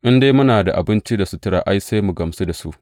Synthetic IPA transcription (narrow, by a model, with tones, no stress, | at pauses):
ʔɪ˦ndeː˦mʊ˦naː˨da̰˨ʔa̰˨bɪ˦nt͡ʃi˦da˨su˦tɪ˦ɾaː˨ʔa˦jse˦jmu˨ɡɐ˨msi˦da˨su˦ʔ